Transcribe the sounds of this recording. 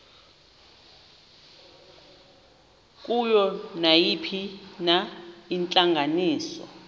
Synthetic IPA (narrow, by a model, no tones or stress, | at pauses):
k̬ʼujɔnajipʰinaint͡ɬʼaŋɡʱaniːsɔ̰